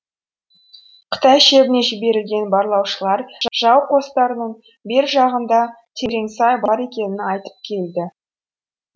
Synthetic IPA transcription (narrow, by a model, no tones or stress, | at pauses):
qʰə̥t̪ɑjʃe̞bɪne̞ʒɪbe̞ɾɪlɡʲe̞nbɑɾlˠɑwʃəlˠɑɾʒʒ̥ɑwqʰo̞st̪ɑɾənəɴ | be̞ɾʒɑʁənd̪ɑ | t̪ʰe̞ɾe̞ŋsɑjbɑɾe̞kʲe̞nɪnɑjt̪ə̥p̚kʲʰe̞ld̪ɪ